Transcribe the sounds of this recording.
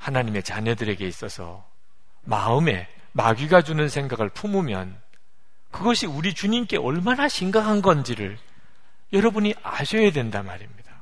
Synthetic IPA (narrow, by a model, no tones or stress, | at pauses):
hanaɲime̞t͡ɕaɲʌdɯɾe̞ɡe̞is͈ʌsʰʌ̰ | ma̰ɯme̞ | maɡɥiɡad͡ʑunɯnsʰe̞ŋɡaɡɯɭpʰumumjʌ̰n | kɯɡʌɕʰiuɾit͡ɕuɲimk͈e̞ʔʌɭmanaɕʰiŋɡakʰanɡʌnd͡ʑiɾɯɭ | jʌɾʌbuɲiʔaɕʰʌjadwe̞ndamaɾimɲid̥a